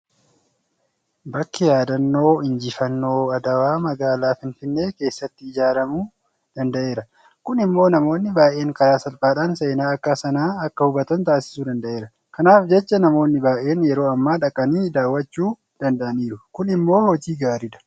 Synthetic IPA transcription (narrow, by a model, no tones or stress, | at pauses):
bɐkːɪjaːd̪ɐnːo̞ːɪnd͡ʒɪfɐnːo̞ːɐd̪ɐwaːmɐɡaːlaːfɪnfɪnːe̞ːke̞ːsːɐt̪ːɪɪd͡ʒaːɾɐmuː | d̪̥ɐnd̪ɐʔe̞ːɾɐ | kʊnɪmːo̞ːnɐmo̞ːnːɪbaːʔe̞ːŋkɐɾaːsɐlfaːᶑaːnse̞ːnaːɐkːaːsɐnaːɐkːɐhʊbɐt̪ɐnt̪aːsɪ̥suːd̪ɐnd̪ɐʔeːɾɐ | kɐnaːfd͡ʒɛt͡ʃːɐnɐmo̞ːnːɪbaːʔe̞ːnjɛɾo̞ːɐmːaːᶑɐkʼɐniːd̪aːwːɐt͡ʃːuː | d̪̥ɐnd̪ɐʔɐniːɾʊkʊnɪmːo̞ːhɔd͡ʒiːɡaːɾid̪ɐ̥